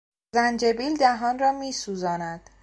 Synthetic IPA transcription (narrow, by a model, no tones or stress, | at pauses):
zænd͡ʒebiːld̪æɦɒːnrɒːmiːsuːzɒːnæd̪̥